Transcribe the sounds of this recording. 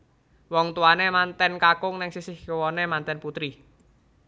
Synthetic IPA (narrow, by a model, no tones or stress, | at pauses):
wɔŋt̪uwanemant̪ɛnkakʊŋnɛŋsisɪhkowɔnemant̪ɛnput̪ɾi